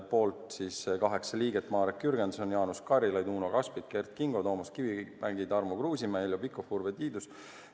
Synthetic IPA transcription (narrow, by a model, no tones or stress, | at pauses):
po̞ːlt̪siskɑɦe̞ksɑliːɡet̪ːˑmɑːɾekkyrɡ̥end̪so̞njɑːnuskɑɾilɑjd̪uːno̞kɑspit̪̚ke̞rt̪kiŋɡo̞t̪o̞ːmuskivimæŋɡid̪ɑrmukruːsʲimæjlʲːopikːofurvet̪iːd̪us